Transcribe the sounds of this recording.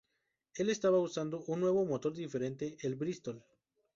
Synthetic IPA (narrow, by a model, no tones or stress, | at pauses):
e̞le̞st̪aβausand̪o̞ʔunːwe̞βomot̪o̞ɾðife̞ɾe̞nt̪e̞ʔelbɾist̪ol